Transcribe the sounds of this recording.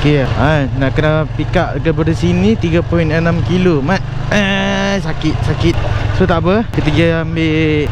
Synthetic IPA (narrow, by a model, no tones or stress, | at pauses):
keajnaʔkənapikaʔdəkəbadəsinĩt̪iɡapɔinənamkilomat̪̚ | asakɪt̪̚sakɪt̪̚sot̪aʔbəhkit̪əɡiaambeʔ